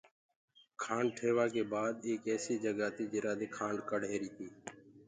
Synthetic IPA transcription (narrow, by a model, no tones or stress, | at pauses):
kʰaːɳʈʰeːʋaːkeːbaːd̪eːkɛːsiːd͡ʒəɡaːt̪iːd͡ʒɪɾaːd̪eːkʰaːɳɖkəɽeːɾiːt̪ʰiː